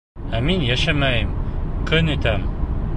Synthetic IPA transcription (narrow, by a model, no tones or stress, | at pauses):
æminjæʃæmæjɘmkʰɵnɵ̆t̪æm